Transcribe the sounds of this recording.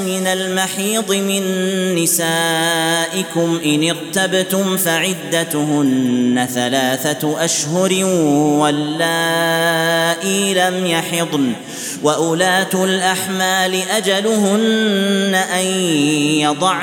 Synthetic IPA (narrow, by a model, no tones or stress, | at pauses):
mɪnalmaħiːd̪ˤɨmɪnːɪsaːʔɪkʊmʔɪnɪɾt̪abt̪ʊmfaʕɪd̪ːat̪ɦʊnːaθalaːθaʔaʃhʊɾwalːaː | ʔilamjɑħɪd̪ˤn | waʔʊlaːt̪ʊlʔaħmaːlɪʔad͡ʒalʊhʊnːaʔajjɑd̪ˤɑʕ